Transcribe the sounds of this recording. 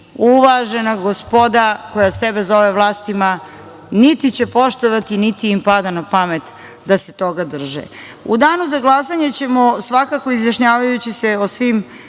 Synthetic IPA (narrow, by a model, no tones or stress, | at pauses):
uʋaʒenaɡospo̞d̪ako̞jasebezo̞ʋeʋlˠaːst̪ima | nit̪it͡ɕe̞po̞ʃt̪oʋat̪init̪iimpad̪anapamet̪ | d̪ase̞t̪o̞ɡad̪r̩ʒɛ̰ | ṵd̪aːnuzaɡlˠasaɲet͡ɕe̞mosʋakakoizjaʃɲaːʋajut͡ɕiseosʋiːm